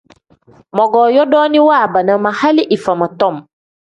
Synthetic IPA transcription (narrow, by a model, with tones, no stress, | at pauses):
mɔ˨ɡɔ˨jɔ˦dɔ˦ni˦waː˦˨ba˨na˨ma˨ha˦li˦ʔi˨fa˨ma˨tɔ˦m